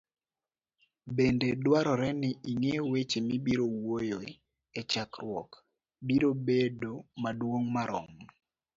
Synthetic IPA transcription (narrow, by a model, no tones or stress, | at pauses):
bendedwaɾɔɾɛnɪiŋewet͡ʃenibiɾowojo | et͡ʃakrwɔ̰k | biɾobedomadwoŋmaɾɔ̰ŋ